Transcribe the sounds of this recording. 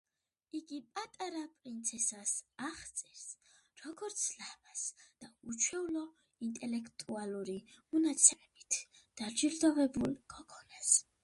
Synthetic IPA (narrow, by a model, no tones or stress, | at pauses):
iɡipʼat̪ʼaɾapʼɾint̪sʰɛsasaχt̪sʼɛɾs | ɾɔɡɔɾt̪sʰlamasd̪̥aut͡ʃʰwɛvlɔ | int̪ʼɛlɛkʰt̪ʼualuɾimɔnat̪sʰɛmɛb̥it̪ʰ | d̪̥aɾd͡ʒiɾd̪ɔvɛbulkʰʼɔkʰʼɔnas